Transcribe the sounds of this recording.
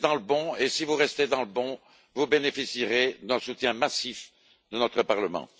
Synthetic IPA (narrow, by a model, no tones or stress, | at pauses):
d̪ɑ̃ləbɔ̃esivuʁɛst̪ed̪ɑ̃ləbɔ̃ | vubenefisiʁed̪ɛ̃sut̪jɛ̃masif | d̪ənɔt̪χəpaʁləmɑ̰̃